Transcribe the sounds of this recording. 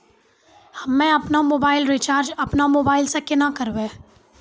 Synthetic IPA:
hɐmːẽɐpnamoːbaːɪlɾit͡ʃaːɾd͡ʒɐpnamoːbaːɪlsekɪnakɐɾbẽː

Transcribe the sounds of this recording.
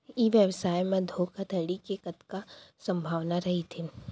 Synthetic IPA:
iʋjəʋsaːjmẽd̪ʱoːkʰat̪ʰɐɽikekɐt̪kasɐ̃mbʱaːʋnaɾɐɦit̪ʰi

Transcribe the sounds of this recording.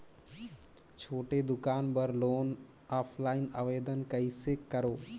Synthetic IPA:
t͡ʃʰoːʈed̪ʊkaːnbəɾloːn | aːpʰlaːɪnə̰ʋeːd̪ənkəisekkːəɾoː

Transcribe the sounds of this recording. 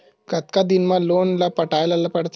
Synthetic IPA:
kət̪kad̪inmalonlapəʈajlalapəɽt̪

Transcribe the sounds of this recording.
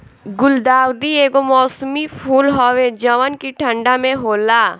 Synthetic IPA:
ɡʊld̪aːwd̪ieːɡomɔːsmipʰuːlɦɔʋed͡ʒəʋənkiʈʰə̃ɳɖamẽɦoːla

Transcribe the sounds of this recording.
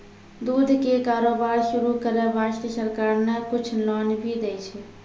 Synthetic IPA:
d̪ud̪ʱkekaːɾoːbaːɾʃʊɾukəɾəɾaʃʈiəsəɾkaːɾnəkʊt͡ʃʰlɔːnbʱid̪ɛt͡ʃʰɛ

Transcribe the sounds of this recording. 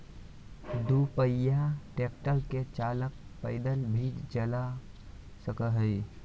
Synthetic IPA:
d̪upəjaʈek̚ʈəlket͡ʃalək̚pəɪd̪əlbʱid͡ʒd͡ʒəla | səkəɦəɪ

